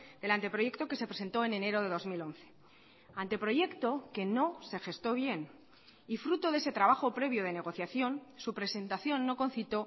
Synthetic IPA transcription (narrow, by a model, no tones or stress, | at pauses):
d̪̥e̞lant̪e̞pɾo̞je̞kt̪o̞ke̞se̞pɾe̞se̞nt̪o̞e̞ne̞ne̞ɾo̞ðe̞ð̞o̞zmilo̞nθe̞̥ | ant̪e̞pɾo̞ʝe̞kt̪o̞ke̞no̞se̞xe̞st̪o̞β̞je̞n | ifɾut̪o̞ðe̞se̞t̪ɾaβ̞axo̞pɾe̞βjoð̞e̞ne̞ɣ̞o̞θjaθjo̞nsupɾe̞se̞nt̪aθjo̞nːo̞ko̞n̟θit̪o̞